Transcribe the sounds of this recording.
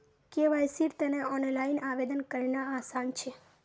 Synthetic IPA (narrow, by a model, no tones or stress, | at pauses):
keʋajsiɾt̪əneɔnlainaʋed̪ənkəɾnaːsant͡ʃʰe